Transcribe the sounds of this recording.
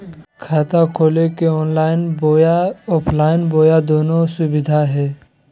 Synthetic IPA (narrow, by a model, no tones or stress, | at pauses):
kʰaːt̪akʰoːlekeɔːnlaːɪnbojaɔːpʰlaːɪnboːjad̪oːnosʊbɪd̪ʱaɦɛː